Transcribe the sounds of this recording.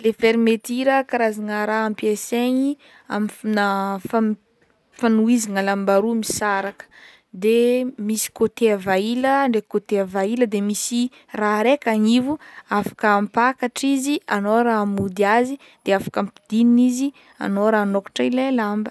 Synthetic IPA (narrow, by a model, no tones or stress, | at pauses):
lefeɾimet̪iɾəkaɾazaŋəɾaampeseɲi | a̰minafa | fanuiziŋəlambaɾumisaɾakə̥ | d̪emisi̥kot̪eavailəɳɖ͡ʐekot̪eavailəd̪emisi | raɾekaŋivuafḁkəːmpakaʈ͡ʂizianoɾamud̪iazi | d̪̥eafḁkəmpid̪ininizi | a̰noɾanokḁʈ͡ʂailelambə